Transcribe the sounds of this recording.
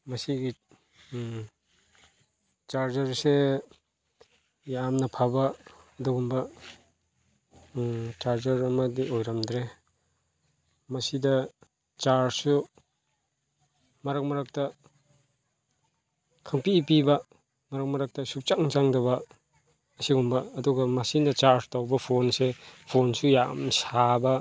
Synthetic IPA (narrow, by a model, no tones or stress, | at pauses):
masiɡi | t͡ʃaɾd͡ʒaɾse | jamnapʰabaduɡumba | t͡ʃaɾd͡ʒɐɾɐmadiojɾamdɾe | mɐsida | t͡ʃaɾsu | mɐɾak̚mɐɾak̚tɐ | kʰaŋpipibɐ | mɐɾak̚mɐɾak̚tɐsup̚t͡ʃaŋt͡ʃaŋdɐbɐː | siɡumbɐːduɡɐmɐsinɐt͡ʃaɾstawbɐpʰonsepʰonsujamsabɐ